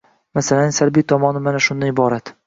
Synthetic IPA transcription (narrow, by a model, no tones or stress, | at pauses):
masalanɪsalbijt̪ʰɒmɒnɪmanaʃʊnd̪anɪbɒɾat̪